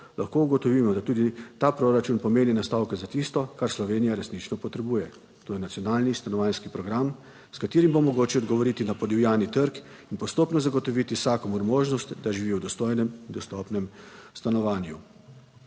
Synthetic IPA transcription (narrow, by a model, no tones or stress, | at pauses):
lʔaxkouɡɔt̪ɔʋiːmɔd̪at̪uːd̪it̪aːpɾoɾat͡ʃunpɔmeːninast̪awkɛzat̪ist̪ɔkaɾslɔʋeːnijaɾɛsnit͡ʃnɔpɔt̪ɾɛbuːjɛ | t̪oːjɛnat̪sijɔnaːlnist̪anɔʋaːnskipɾɔɡɾam | skat̪eːɾimbomɔɡoːt͡ʃɛɔd̪ɡɔʋɔɾit̪inapɔd̪iwjaːnit̪əɾk | inpɔst̪oːpnɔzaɡɔt̪ɔʋit̪isaːkɔmuɾmoːʒnɔst̪d̪aʒiʋiwd̪ɔst̪ojnɛmind̪ɔst̪ɔpnɛmst̪anɔʋaːnju